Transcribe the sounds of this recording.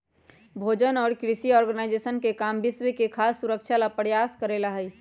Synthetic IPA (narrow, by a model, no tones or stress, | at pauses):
bʱoːd͡ʒənɔːɾkɾɪʃiɔːɾɡənaɪd͡ʒesənkekaːmbɪswekekʰaːsːʊɾəkʃʰalapəɾjaːskəɾelaɦəi